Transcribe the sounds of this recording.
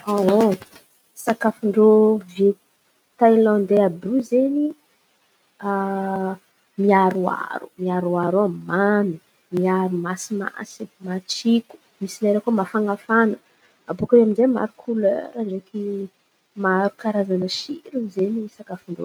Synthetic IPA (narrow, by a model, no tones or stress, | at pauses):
aɦo | sakafuɳɖ͡ʐove | t̪ajlɔnd̪eabuzeni | a | miaɾua̰ɾu̥̰miaɾuaɾammanu | miaɾumasima̰simaʈ͡ʂiku̥ | misinaɾekumafaŋafanə | abukaweaminzema̰ɾukʰulø̰ɾaɖ͡ʐeki | maɾukaɾazanəʃiɾuzenisakafuɳɖ͡ʐo̰